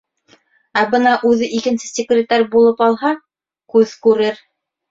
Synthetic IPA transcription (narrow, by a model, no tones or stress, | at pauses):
æbɤnɑʔʉðɘʔikɘ̆nsɘ̥sʲɪkrʲɪt̪ːaɾʲbulˠɤpɑlˠhɑ | kʉðkʉɾɘɾ